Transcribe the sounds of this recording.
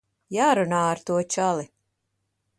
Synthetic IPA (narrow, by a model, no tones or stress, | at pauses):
jaːɾunaːaɾt̪uɔt͡ʃalˠi